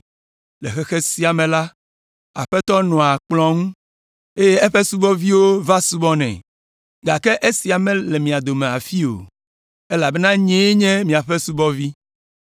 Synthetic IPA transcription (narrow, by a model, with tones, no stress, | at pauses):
lɛ̰˨xɛ˦xe˦si˦a˨mɛ̃˨la˦ | a̰˨ɸɛ˦t̪ɔ˦nɔ̃˨a˨k͡plɔ̃˦ŋũ˦ | e˦je˦ɛ˦ɸe˦su˦bɔ˦vi˦wo˦va˦su˦bɔ˦nɛ̰̃˨ | ɡa˨kɛ˦ʔe˦si˨a˨mɛ̃˦lɛ˨mĩ˨a˨d̪o˨mẽ˨a̰˨fi˦o̰˨ | e˦la˨bɛ˦nã˦ɲɛ̃˦ɲɛ̃˦mĩ˨a˨ɸɛ˦su˦bɔ˦vi˦